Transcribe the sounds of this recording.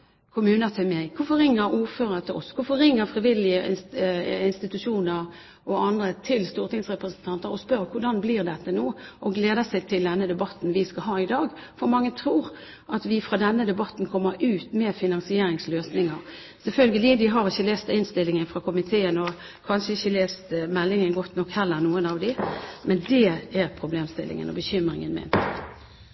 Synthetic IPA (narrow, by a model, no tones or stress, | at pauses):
kʰʊmʉːnət̪ʰɪmɛɪkʰʊfɔɾɪŋːəɾuːɾføːɾət̪ʰɪlʔɔ̰skʊfɔɾɪŋːəɾfɾɪʋɪlɪəʔɪ | ɪnst̪ɪt̪ʉʂuːnəɾ | ʔɔɑnd̪ɾət̪ʰɪlst̪uːɾt̪ɪŋsʁɛpɾəsənt̪ʰɑnt̪əɾɔspœɾkʰʊɖɑnbliːʁd̪ɛt̪ːənoːʔɔɡleːd̪əsɛɪt̪ʰɪld̪ɛnːəd̪ɛbɑt̪ːn̩ʋɪskɑɦɑːɪd̪ɑːɡ | fɔɾmɑŋːət̪ʰɾuːʁ | ʔɑt̪ʋɪfɾɑːd̪ɛnːəd̪ɛbɑt̪ːn̩kʰɔmːəɾʉːt̪mɛːfɪnɑŋsɪeːɾɪŋsløːsnɪŋɑɾ | sɛlfœlɡəlɪd̪ɪɦɑɾɪçːəleːst̪ɪnst̪ɪlːɪŋənfʁɑkʰʊmɪt̪ʰeːənɔ | kʰɑnʂəɪçːəleːst̪mɛlːɪŋənɡɔt̪nɔkhɛlːəɾnuːənɑʋd̪ɪmɛnd̪ɛæʁpʰɾʊbleːmst̪ɪlɪ̰ŋə̰nɔ̰bəçʏmɾɪ̰ŋənmɛ̰nt̪